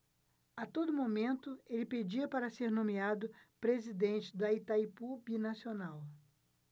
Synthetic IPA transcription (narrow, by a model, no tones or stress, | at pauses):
at̪od̪ʊmomẽnt̪ʊelɪped͡ʒiɐpaɾɐseɾnõmiad̪ʊpɾezid̪ẽnt͡ʃɪd̪ɐit̪ajpubinasionaw